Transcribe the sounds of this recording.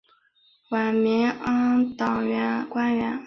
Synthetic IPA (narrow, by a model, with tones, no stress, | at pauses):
wa˨˩mi˧˥˦ã˥t̪ɑ˨˩ɥa˧˦kwa˥ɥa˧˥